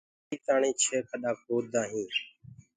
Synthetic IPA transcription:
iːt̪aːɳĩːt͡ʃʰeːkʰəɗaːk̚oːd̪ãːɦĩː

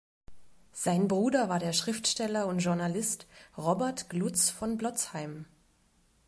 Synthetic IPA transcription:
z̥aɪnbʁuːdɐvaːɐdeːɐʃʁ̥ɪftʃtɛlɐʊntʒ̥ʊɐnalɪstʁɔbɛɐtɡ̥lut͡sfɔnblɔt͡shaɪm

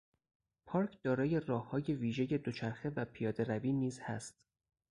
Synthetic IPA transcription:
pʰɒːɾkʰd̪̥ɒːɾɒːje̞rɒːhːɒːje̞viːʒeje̞d̪o̞t͡ʃʰæɾxe̞væpʰijɒːd̪e̞ɾæviːniːzhæ̰st̪

